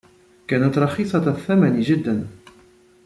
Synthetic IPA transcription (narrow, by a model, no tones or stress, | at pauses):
kæːnat̪ɾˤɑxiːsˤɑt̪θːamanʒɪd̪ːan